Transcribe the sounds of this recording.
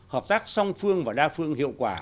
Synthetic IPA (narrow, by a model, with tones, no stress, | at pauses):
həː˨˩p̚t̪aː˦˥k̚sɔ˧wŋ͡mfɨ˧əŋvaː˨˩ɗaː˧fɨ˧əŋhḭ˧˨əwkwaː˧˩